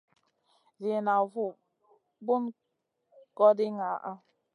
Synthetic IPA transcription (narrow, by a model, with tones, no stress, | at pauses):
zi˨na˨vu˦˨ | bu˦n | kɔ˦di˦ŋa˨ʔa˦